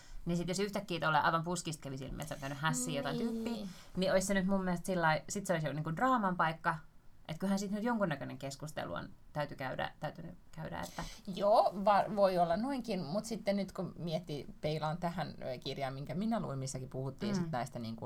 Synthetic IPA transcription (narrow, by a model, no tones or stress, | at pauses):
nisit̪josyht̪ækːiːt̪olːḛˑɑ̰iʋɑmpuskist̪̚kæʋisḭlmḭsontæynyhæsːiːjot̪ɑint̪yːpːiː | niʔoisenyt̪mumːieest̪silːɑisit̪seoisjoniːŋkundrɑːmɑmpɑikːɑʔet̪kylhænsit̪nyt̪joŋkunːækøneŋkeskust̪ḛlṵo̰nt̪æyt̪ykæydæ̰t̪æyt̪ynykæydæ̰ḛt̪ːæjoːʋɑʋoiolːɑnnoiŋkinmut̪sit̪ːennyt̪kumiɛt̪ːipeilɑːnt̪æhænkirjɑːmmiŋkæminælṵimmisːækipuhut̪ːiːsit̪nɑist̪ɑniːŋku